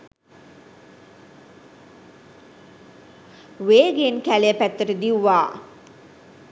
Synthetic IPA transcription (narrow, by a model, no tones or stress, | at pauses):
ʋeːɡenkælejəpæt̪ːəʈəd̪iwːaː